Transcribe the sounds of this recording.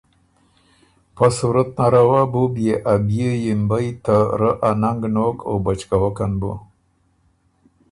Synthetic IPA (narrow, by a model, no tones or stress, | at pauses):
pasuɾat̪̚naɾawabubjeʔabjəjimbajt̪aɾəʔanaŋɡnokʰo̰bat͡ʃkawakanbu